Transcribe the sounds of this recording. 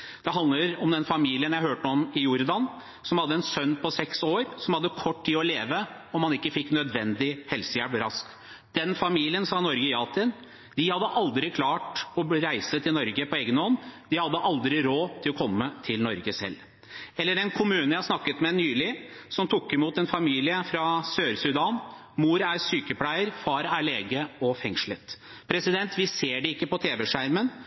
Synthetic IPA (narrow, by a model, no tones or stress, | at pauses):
d̪̥ɛɦɑnd̪ləɾɔmd̪ɛnfɑmiːlɪənjæɪhøːʈəɔmɪjʊɾd̪ɑn | sɔmhɑd̪ːəɛnsœnːpʰɔsɛksoːɾsɔmhɑd̪ːəkʰɔʈtiːɔleːʋə | ɔmhɑnɪkːəfɪkːnœd̪ʋɛnd̪ɪhɛlsəjæbɾɑsk | d̪̥ɛnfɑmiːlɪənsɑːnɔɾɡəjɑːt̪ʰɪn | d̪̥ɪhɑd̪ːəʔɑld̪ɾɪkʰlɑːʈɔɾæɪsət̪ʰɪlnɔɾɡəpʰɔeːɡənɔnːd̪ɪhɑd̪ːəʔɑld̪ɾɪɾoːt̪ʰɪlɔkʰɔmːət̪ʰɪlnɔɾɡəsɛ̰lː | ɛlːəɾɛnkʰʊmʉːnəjæɪhɑsnɑkːət̪mɛnyːlɪsɔmt̪ʰʊkːɪmuːt̪ɛnfɑmiːlɪəfɾɑsøːɾsʉd̪ɑːn | muːɾæɾsyːkəpʰlæɪəɾfɑːɾæɭeːɡəɔfɛŋʂɭət̪ | pʰɾɛsɪd̪ɛnt̪ʋɪseːɖɛɪkːəpɔt̪ʰeːʋɛʂæɾmən